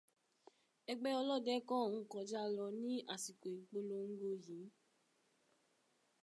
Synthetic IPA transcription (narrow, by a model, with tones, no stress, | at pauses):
ɛ˧ɡ͡bɛ˦ɔ˧lɔ˦˨dɛ˦kɔ̃˦˨wũ˧kɔ˨˦d͡ʒa˦lɔ˧nĩ˦ʔa˦˨si˨ke˨k͡po˧lo˧ŋ̩˦ɡo˦d͡ʒũ˨˦